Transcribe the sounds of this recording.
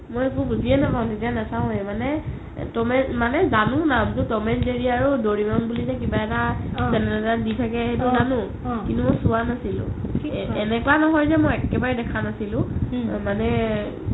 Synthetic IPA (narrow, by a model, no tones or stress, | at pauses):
mojek̬ubuziɛnapaʊ̃tet̬ijanatʰaʊ̃ɛmanɛ | tɔmɛmanɛzanʊnamtʊtɔmɛnzeɹiaɹudoɹimɔnbulizɛkibaɛtasɛnɛlɛtatditʰakɛɦɛtuzanʊ̃ | kintumɔjsʊanasilʊ̰̃ɛnɛkʊanɔɦɔjzɛmɔjɛkɛbaɹɛdɛkʰanasilʊ̃manɛ